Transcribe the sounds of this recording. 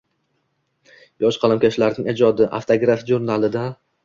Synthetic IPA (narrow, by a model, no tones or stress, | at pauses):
jɒʃqʰɑlˠamkʲaʃlaɾnɪŋʲed͡ʒɒd̪ɪʔa̰ft̪ʰoɡɾafiʒuɾnalˠɪd̪a